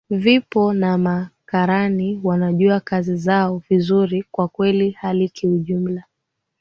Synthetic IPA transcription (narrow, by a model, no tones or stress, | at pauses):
vipɔnamakaɾaniwanaʄuakazizaɔvizuɾikwakwɛlihalikiuʄum̩la